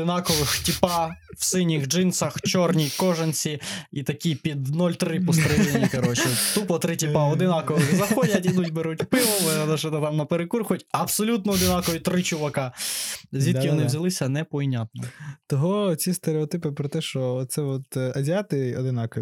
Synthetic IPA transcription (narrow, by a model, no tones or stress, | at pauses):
d̪ɪnɑkɔʋɪxtʲipɑwsɪnʲixd͡ʒɪnsɐxt͡ʃɔrnʲikɔʒent͡sʲiit̪ɐkʲipʲid̪nɔlʲt̪ɾɪpɔst̪ɾɛʒenʲikɐɾɔt͡ʃɛt̪upɔt̪ɾɪtʲipɑɔd̪ɪnɑkɔʋɪxzɐxɔdʲɐtʲid̪utʲbeɾutʲpɪʋˠɔlˠnɛʃɛt̪t̪ɑmnɐpeɾekurxʊjtʲɐbsɔlʲut̪nɔɔd̪ɪnɑkɔʋit̪ɾɪt͡ʃʊʋɐkɑ | zʲid̪kʲiʋɔnɪʋzʲɐlˠɪsʲɐnɛpɔinʲɑt̪̚nɔt̪ɔɦɔt͡sʲist̪eɾeɔt̪ɪpɪpɾɔt̪ɛʃt͡ʃɔtt̪sɛɔt̪ɐzʲɪat̪ɪɔ̰d̪ɪnɑkɔʋʲi